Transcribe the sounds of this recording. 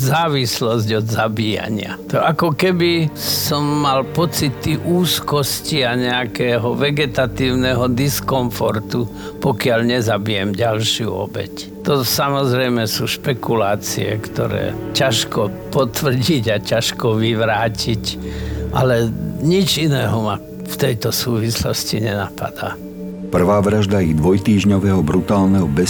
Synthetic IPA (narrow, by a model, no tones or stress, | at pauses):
zaːʋislɔzɟɔd̪zabiːja̰ɲɪa̰t̪ɔʔakɔkɛbisɔmːalpɔt͡sit̪ːiʔuːskɔsciaɲɛakɛɦɔʋɛɡɛt̪at̪iːʊnɛɦɔd̪iskɔɱfɔɾt̪u | pɔkɪaʎɲɛzabijɛmɟalʃjṵɔ̰bɛ̰c | t̪ɔsamɔzɾɛjmɛsuːʃpɛkulaːt͡sḭɛ̰kt̪ɔ̰ɾɛ̰ːcaʃkɔpɔt̪ʋr̩ɟiɟacaʃkɔʋiʋɾaːcicʔa̰lɛɲit͡ʃinɛːɦɔma | ft̪ɛjt̪ɔsuːʋislɔ̰sciɲɛnapa̰d̪̥a̰ː | pr̩ʋaːʋɾaʒd̪ajid̪ʋɔjt̪iːʒɲɔʋɛːɦɔbɾut̪aːlnɛɦɔbɛ